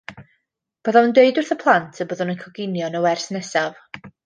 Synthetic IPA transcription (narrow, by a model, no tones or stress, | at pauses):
b̥əðaəndeɨdʊrθəpʰlˠantʰəbəðʊnənkʰɔɡɪnjɔnəwɛrsnɛsav